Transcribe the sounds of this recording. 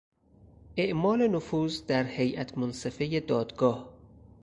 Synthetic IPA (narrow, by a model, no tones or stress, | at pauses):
ʔeʔmɒːlenofuːzd̪æɾhe̞jʔæt̪ʰmonsefe̞jed̪ɒːd̪ɡɒːh